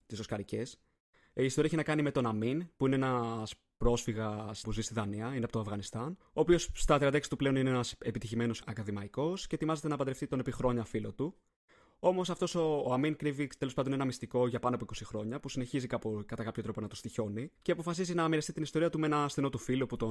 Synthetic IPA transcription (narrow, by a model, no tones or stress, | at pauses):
t̪isoskɐɾice̞s | iːstoɾiɐeçinɐkɐnime̞t̪o̞nɐminpuine̞enɐs | pɾo̞sfiɣɐspuzist̪iðɐniɐineɐpot̪o̞ɐvɣɐnist̪ɐn | o̞ːpio̞st̪ɐt̪ɾiɐnd̪ɐeksi̥t̪uple̞onineenɐse̞pit̪içime̞no̞sɐkɐðimɐiko̞sce̞t̪imɐze̞t̪e̞nɐːpɐnd̪ɾe̞ft̪it̪o̞nepixɾo̞ɲɐfilo̞t̪u | o̞mo̞sɐft̪o̞so̞ːɐminkɾivit̪e̞lo̞spɐnd̪onenɐmist̪iko̞ʝɐpɐnoɐp̬oiko̞sixɾo̞ɲɐpusine̞çizikɐpokɐt̪ɐkɐpçot̪ɾo̞po̞nɐt̪ost̪iço̞niceɐpo̞fɐsizinɐmiɾɐst̪it̪inist̪o̞ɾiɐt̪umeenɐst̪ino̞t̪ufiloput̪o̞